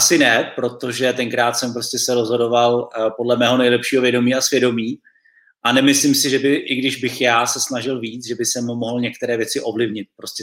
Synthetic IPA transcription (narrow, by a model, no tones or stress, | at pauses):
ʔasɪnɛpɾo̞t̪o̞ʒɛt̪ɛŋkɾaːt̪sɛmpɾoscɛsɛɾo̞zɦo̞do̞valpo̞dlɛmɛːɦo̞nɛjlɛpʃiːɦo̞vjɛdo̞miːasvjɛdo̞miː | ʔanɛmɪslimsɪʒɛbɪʔɪɡdɪʒbɪxjaːsɛsnaʒɪlviːt͡sʒɛbɪsɛmːo̞ɦl̩ɲɛk̚t̪ɛɾɛːvjɛt͡sɪʔo̞vlɪvɲɪt̪̚pɾo̞scɛ